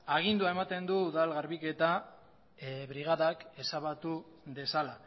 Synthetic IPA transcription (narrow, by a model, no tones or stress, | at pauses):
aɣ̞ind̪uae̞mat̪e̞nd̪uːðalɣaɾβike̞t̪a | βɾiɣ̞aðake̞saβat̪u | ðe̞sala